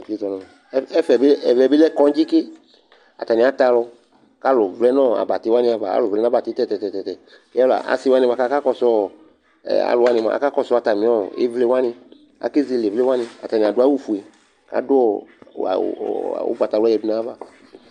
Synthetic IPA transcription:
d͡ʒi˦tɔ˨nɔ̃˨˦ɛ˦fɛ˨bɛ˨vɛ˨be˦lɛ˦kɔ̃˦d͡ʒi˦ke˦ | a̰˨t̪a˨nĩ˨a˨t̪a˧lɔ˧˨ | ka˦lɔ˨vlɛ˦nɔ̃˦˨a̰˨ba˨t̪i˦wa˦nĩ˧˦a˨va˨a̰˦lo˨vlɛ˦nã˦ba˨ti˦t̪ɛ˦˨t̪ɛ˨tɛ˨tɛ˨t̪ɛ˨˦ | ɛ˦la̰˨ʔa̰˨si˦wa˦nĩ˧va˧ka˦ka˦kɔ˧sɔ̰˦˨ | a̰˨lʊ˨wa˦nĩ˧mã̰˨a̰˨ka˦kɔ˧sɔ˦a˨t̪a˨mĩ˨˦ɔ˦ḛ˦vle˦wa˦nɪ̃˧ | a̰˨ke˦zi˧le˨vle˦wa˦nĩ˧a̰˨t̪a˨nĩ˨a˨dʊ˨˦a˦wu˦fu˨e˨ | ka̰˨dʊ˦ɔ̰˦˨ | o̰˦ɡ͡ba˨t̪a˨wa˦ɛ˨bu˨˦nã˦va˦

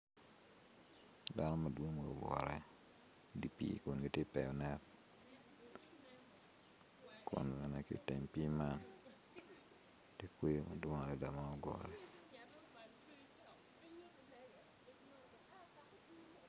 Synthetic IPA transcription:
da˦nɔ˦ma˨dwo˦ŋ˨o̰˨ɡwɔ̰˨ɾɛ˦ | di˨pḭ˦ku˨nɡe˨te˦pɛ˨ɔ˨nɛ˦t | ko̰˨n˨lɛ˨nɛ˨kḭ˦˨te˨ɲpi˦ma˦n | te˦kwe˦ma˨dwo˦ŋa˨lɛ˨da˨ma˦ɔ˦ɡwɔ̰˨ɾɛ˨

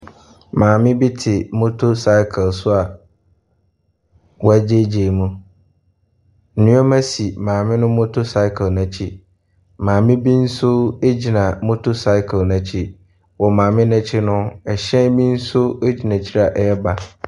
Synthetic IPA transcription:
mãː˨mɪ̃˦bi˦tʰɪ˨mʊ˦tʰo˦sa˦ɪ˦kʰə˨lsʊ˦a˨ | wɔ˦æ˦d͡ʑe˦d͡ʑe˨mũ˦ | n̩˨nʊ̃˦ɔ˦mã˦si˨mãː˨mɪ̃˦nʊ̃˦mʊ̃˦tʰʊ˦sa˦ɪ˦kʰə˨lnã˨t͡ɕʰi˦ | mãː˨mɪ̃˦bĩ˦n̩˦sʊ˦e˦d͡ʑi˨nã˨mʊ̃˦tʰʊ˦sa˦ɪ˦kʰnã˨t͡ɕʰi˦ | wɔ˨mãː˨mɪ̃˦nã˦t͡ɕʰɪ˦nʊ̃˦ɛ˨ɕɛ̃˦mĩ˦n̩˦sʊ˦e˦d͡ʑi˨nã˨t͡ɕʰi˦ɾa˨ʔɛ˦ɛ˦ba˨

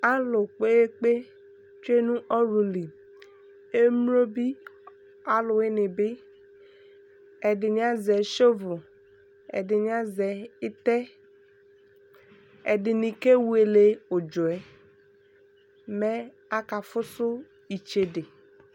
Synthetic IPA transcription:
a˦lʊ˨k͡pe˦e˦k͡pe˦ | t͡ʃe˦nũ˦ʔɔ˦ɾu˨li˨ | e˦m˦o˦bi˦ | a˦lʊ˨e˦nɪ̃˨be˦ | e˨dɪ˨ɲĩ˨˦a˦zɛ˨˦ʃo˦vʊ˨ | ḛ˨dɪ˨nĩ˦a˦zɛ˨e˦t̪ɛ˦ | ḛ˨dɪ˨nĩ˨ke˦wu˦e˨le˨o˨d͡ʒɔ˨ɛ˨ | me˦ | a˦ka˨fʊ˦sʊ˦ | i˨t͡ʃe˨de˨

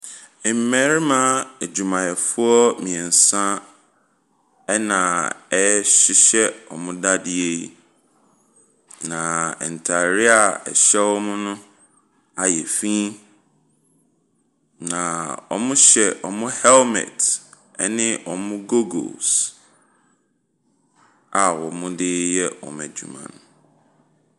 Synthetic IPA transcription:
m̩˨˦mɛ̃˨ɾi˦mã˦e˨d͡ʑu˨mã˨jɛ˨fʊ˦ɔ˦mĩ˨ɛ˨n̩˨sã˦ | ɛ˦nã˨ɛ˦ɕɪ˦ɕɛ˦ɔ̰˨mʊ̃˦da˦dɪ˦e˦i˦ | nã˨ɛ̰˨n̩˨tʰa˨ɾɪ˦a˨ɛ̰˨ɕɛ˦wɔ˦mʊ̃˦nʊ̃˦ | a˨jɛ˨fĩ˦ | nã˨ɔ̰˨mʊ̃˦ɕɛ˨ʔɔ˨mʊ̃˦hɛ˦lmɛ̰˨t | ɛ˦nɪ̃˦ʔɔ˨mʊ̃˦ɡo˦ɡo̰˨s | a˨wɔ˨mʊ̃˦dɪ˦jɛ˦wɔ̰˨m˨ɛ˨d͡ʑṵ˨mã̰˨n˨

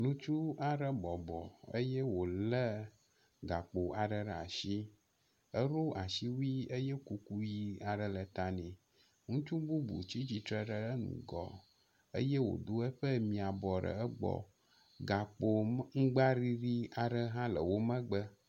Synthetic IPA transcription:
nũ˦t͡ʃu˦a˨ɖə˦bɔ˨bɔ˨ə̰˦je˦wo˨lə˦ | ɡa˨k͡po˨a˨ɖə˦ɖa̰˨ʃi˦ | ə˦ɾo˦a˨ʃi˦wi˦ə˦je˦ku˦ku˦ji˦a˨ɖə˨lə˨t̪a˨nɛ̃˨ | ŋũ˦t͡ʃu˦bu˦bṵ˨t͡ɕi˦t͡ɕi˨t̪ɾə˦ɖə˦ɖə˦nṵ̃˨ɡɔ̰˨ | ə̰˦jɛ˦wo̰˨d̪o˦e˦ɸə˦mĩ˨a˨bɔ˨ɖə̰˨ə˦ɡ͡bɔ̰˨ | ɡa˨k͡po˨ŋ̩˦ɡ͡ba˦ɾi˦ɾi˦a˨ɖə˦ɦã˦lə̰˨wo˦mə̃˦ɡ͡bə˦

